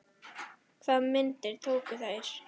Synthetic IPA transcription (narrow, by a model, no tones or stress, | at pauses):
kʰv̥aːðmɪnt̪ɪɾ̥t̪ʰoːwkʏθaɾ̥